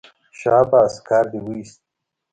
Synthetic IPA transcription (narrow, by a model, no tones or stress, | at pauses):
ɕaːbaːskaːɾd̪iwijst̪